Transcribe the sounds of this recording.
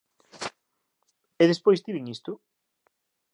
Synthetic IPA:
eðespojst̪iβiŋist̪ʊ

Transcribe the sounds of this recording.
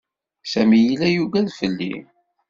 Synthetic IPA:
sæmijilæjuɡæðfəlːḭ

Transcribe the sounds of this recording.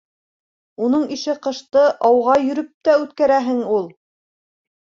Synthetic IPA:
unɤɴiʃɘqɤ̆ʃt̪ɤʔɑwʁɑjɵ̆ɾɵp̚t̪æʉt̪kæɾæɦɘŋulˠ

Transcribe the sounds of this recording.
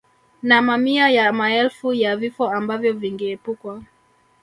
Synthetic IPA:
namamiajamaɛlfujavifɔambavjɔviŋɡɛːpukwa

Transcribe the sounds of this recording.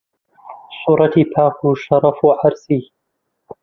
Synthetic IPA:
sˤuːɾˤɑt̪iːpʰaːquʃɑɾˤɑfuʕɑɾˤsiː

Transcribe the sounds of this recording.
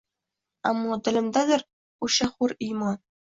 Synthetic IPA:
ɑ̰mːot̪ʲɘ̆lʲɘ̆md̪ɑd̪ɘ̆rʲ | uɕɑχurijmɑ

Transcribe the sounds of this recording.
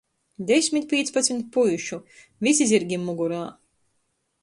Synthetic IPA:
d̪esʲmʲit̪̚ʲpʲiɛt̪spat̪smʲit̪̚pujuʃu | vʲisizʲiɾɡʲimːuɡuɾaː

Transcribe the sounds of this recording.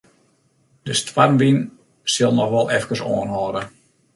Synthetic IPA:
d̥əstwarnʋin | sɪlˠnɔxʋɔlˠɛfkəsoənɦɔːɾə

